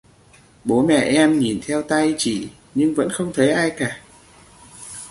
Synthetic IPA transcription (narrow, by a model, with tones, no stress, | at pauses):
ɓo˨˦mɛ̰˧˨ʔɛ˧mɲi˨˩nt̪ʰɛ˧wt̪a˧jt͡ɕḭ˧˨ | ɲɨ˧ŋvə̰˧˥nxə˧wŋ͡mt̪ʰə˨˦jʔaː˧jkaː˧˩